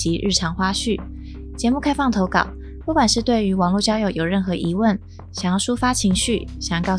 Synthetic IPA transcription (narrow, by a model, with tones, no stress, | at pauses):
i˧˥ɻ̩˥˩ʈ͡ʂʰɑ˧˥ŋxwa˥ɕy˥˩ | t͡ɕjɛ˧˥mu˥˩kʰa˥ɪfɑ˥˩ŋt̪ʰo˧˥ʊkɑ̰˨˩ʊ | pu˥˩kwa˨˩nʂɻ̩˥˧t̪we˥˩ɪy˧˥wɑ˨˩ŋlu˥˩t͡ɕjɑ˥ʊjo˨˧˩ʊjo˨˩ʊɻə˥˩nxɤ˧˥ʔi˧˥wə˥˩n | ɕɑ˨˩jɑ˥˩ʊʂu˥fa˥t͡ɕʰi˧˥ŋɕy˥˩ɕjɑ˨˩˥kɑ˥˩ʊ